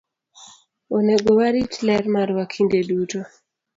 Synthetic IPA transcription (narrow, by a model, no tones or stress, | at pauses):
oneɡowaɾitlɛrmaɾwakʰindeduto